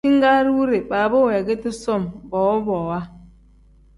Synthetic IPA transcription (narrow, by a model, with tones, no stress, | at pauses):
i˦ŋ˦ɡa˦ɾwu˦ɾe˨ba˨bo˦wɛ˨ɡe˦ti˦sɔ˦˨mbɔ˨wo˦bɔː˨wa˦